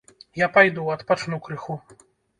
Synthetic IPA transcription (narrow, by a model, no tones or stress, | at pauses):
japajd̪uwɔt̪pɔt͡ʂnukɾɨxu